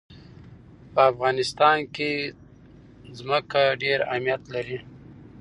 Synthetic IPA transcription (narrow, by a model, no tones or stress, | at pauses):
pəafɣɑnɪst̪ɑnke | zməkaɖeɾa̰hmijat̪laɾi